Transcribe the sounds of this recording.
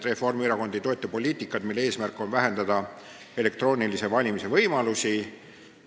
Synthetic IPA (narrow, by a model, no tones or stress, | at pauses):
d̪re̞fo̞rmyɾɑko̞nd̪̥it̪o̞ːt̪ːˑepo̞lʲiːt̪ːˑikːˑɑt̪milːee̞ːsmærkːˑo̞nvæɦe̞nd̪̥ɑd̪̥ɑ | e̞le̞k̚t̪ro̞ːnilise̞vɑlʲimise̞vɤjmɑlusi